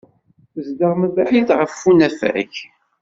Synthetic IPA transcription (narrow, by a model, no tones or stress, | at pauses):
zd̪əʁməbaħiθʁəfːunæfæ̰ç